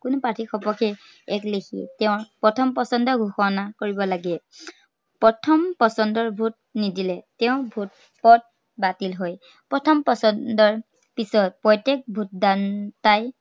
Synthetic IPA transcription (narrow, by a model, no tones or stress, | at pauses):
kʊnʊpatʰixɔpɔkʰɛ | ɛklexʰiɛ̰tɛʊ̃ɹpɹɔtʰɔmpɔsɔndɔɡʱuxɔnakoɹibɔlaɡɛ | pɹɔtʰɔmpɔsɔndɔɹbʱut̚nidilɛtɛʊ̃bʱut̚ | pɔt̚ | batilɦɔj | pɹɔtʰɔmpɔsɔndɔɹ | pisɔt̚pɔjtek̚bʱut̚dantaj